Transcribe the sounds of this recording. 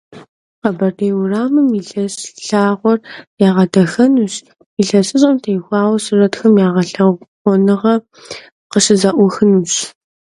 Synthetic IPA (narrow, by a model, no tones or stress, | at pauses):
qɐbɐrdeːwraːmɨmiɬɐɕɬaːʁʷɔrjaːʁɐdɐxɐnuɕ | iɬɐsɨɕʼɐmtʰeːjxʷɑːwɐsɨrɐtxɐmjaːʁɐɬɐwʷ | ɔnɨʁɐ | qəɕɨzɐʔʷʊxɨnuɕ